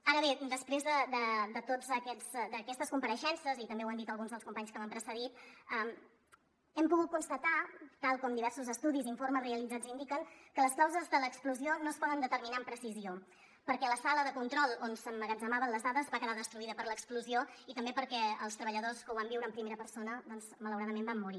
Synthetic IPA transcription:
aɾəβed̪əspɾezðəd̪əd̪ət̪od͡zəkɛzd̪əkɛst̪əskumpəɾəʃɛnsəzit̪əmbewand̪it̪əlˠɣunzðəlˠskumpaɲskəβampɾəsəðit̪̚əm | ɛmpuɣut̪̚kunst̪ət̪at̪alˠkɔmd̪iβɛɾsuzəst̪uðiziɱforməzreəlid͡zad͡zind̪ikəŋkələsklawzəzðələːkspluzionospɔðənd̪ət̪əɾminampɾəsizio | pəɾkɛləsaləðəkunt̪ɾɔlˠonsəmːəɣəzəmaβənləzðaðəzβakəðaðəst̪ɾuiðəpəɾləkskluzioit̪əmbepəɾkɛə̰lˠs̬t̪ɾəβəʎəðoskəuβambiwɾəːmpɾimeɾəpəɾsonəd̪ɔnzmələwɾaðəmembamːuɾi

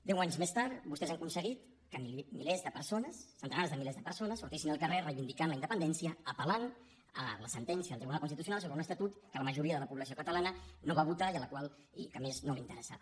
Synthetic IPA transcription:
d̪ɛwaɲzmest̪aɾt̪bust̪ɛzaŋkunsəɣit̪ | kəmimilezðəpəɾsonəsːənt̪ənaɾzðəmilezðəpəɾsonəsːuɾt̪isinəlˠkərerəjβind̪ikanləind̪əpənd̪ɛnsiəːpəlan | ə̰ləsənt̪ɛnsjəəlˠt̪ɾiβunalˠkunst̪it̪usjunalˠs̬oβɾəunəst̪ət̪ut̪kələməʒuɾiəðələpuβləsiokət̪əlanənoβaβut̪aiələkwalˠ | ikəmeznolḭnt̪əɾəsa̰

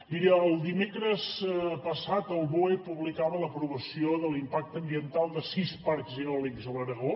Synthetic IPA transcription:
d̪iɾiəːlˠd̪imekɾəspəsat̪əlˠβoepuβlikaβələpɾuβəsioðəlimpak̚t̪əmbiənt̪alˠd̪əsispaɾkzeɔlikzəβəɾəɣo

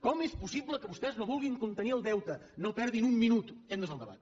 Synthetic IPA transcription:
kɔmespusiβləkəβust̪ɛznoβulˠɣiŋkunt̪əniəlˠd̪ɛwt̪ənopɛɾðinumminut̪end̪əzəlˠd̪əβa̰t̪

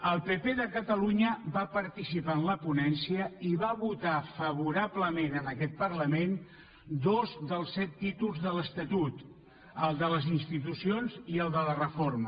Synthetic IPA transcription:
əlˠpepeðəkət̪əluɲəβapəɾt̪isipaənləpunɛnsiəiβaβut̪afəβ̞uɾabləmenənəkɛt̪̚pərləmen | d̪ozðəlˠsːɛt̪ːit̪ulˠzðələst̪ət̪ut̪ | əlˠd̪ələzinst̪it̪usionziəlˠd̪ələrəformə

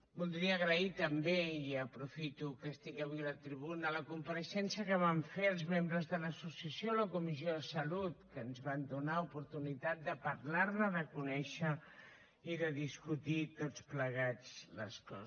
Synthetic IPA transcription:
bulˠt̪̬iniəɣɾəit̪əmbeiəpɾufit̪ukəst̪ikəβwilət̪ɾiβ̞unələkumpəɾəʃɛnsiəkəβ̞aɱfeəlˠzmembɾəzðələsusiəsioləkumis̬ioðəsəlut̪kənzβand̪unaupuɾt̪unit̪at̪̚d̪əpərlaɾnəðəkunɛʃə | iðəðiskut̪it̪ott͡spləɣ̞ad͡zlə̰skɔ̰

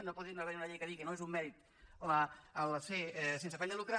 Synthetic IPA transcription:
nopɔt̪ðinaβɛɾiunəʎejkəðikənoezumːɛɾit̪ | ləəlsesensəfɛʎəlukɾa

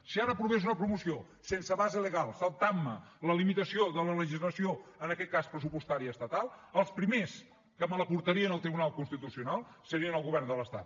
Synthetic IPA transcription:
siaɾəpɾuβezunəpɾumusio | sensəβazələɣalˠsəlt̪amːələlimit̪əsioðələləʒizləsioənəkɛt̪̚kaspɾəsupust̪aɾiəəst̪ət̪alˠəlˠspɾimes | kəmələpuɾt̪əɾiənəlˠt̪ɾiβunalˠkunst̪it̪usiunalˠ | səɾiənəlˠɣuβɛrnd̪ələst̪a̰t̪

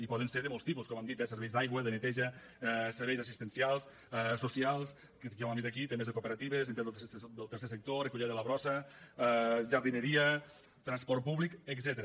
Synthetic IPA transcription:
ipɔðənseɾðəmolˠst̪ipuskɔmamd̪it̪esəɾβɛjzd̪ajɣwəðənət̪ɛʒə | ɛseɾβɛjzasist̪ənsijalˠs | ɛsusialˠs | kekɔmamd̪it̪akit̪emezəkupeɾat̪iβ̞əzent̪esd̪əlˠt̪əɾsesək̚t̪orekuʎɛðəlɐβɾɔsəɛʒaɾðinəɾiə | t̪ɾanspɔɾt̪̚puβlikəɡzɛt̪əɾə

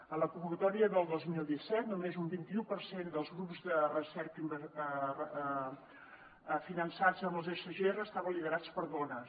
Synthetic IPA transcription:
ənləkumbukət̪ɔɾiəðəlˠd̪ozmilˠd̪isɛt̪numezumbint̪iupəɾsend̪əlˠzɣɾupzdərəsɛɾkimbərə | finənsad͡zəməlˠzesəʒerəst̪aβənliðəɾat͡spəɾðɔnə

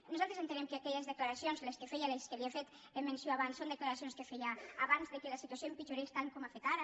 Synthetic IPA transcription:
nuzalˠt̪ɾezent̪enɛmkeakɛʎezðəklaɾasionzleskefɛjaleskeliafet̪ | emensjoaβansond̪əklaɾasionskefɛjaaβanzðekelasit̪uasioempit͡ʃuɾest̪alkomafet̪aɾa

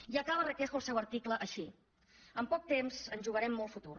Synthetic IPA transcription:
iəkaβərəkɛxəlˠsɛwəɾt̪ikləʔəʃi | əmpɔk̚t̪emzənʒuɣəɾɛmːɔlˠfut̪ur

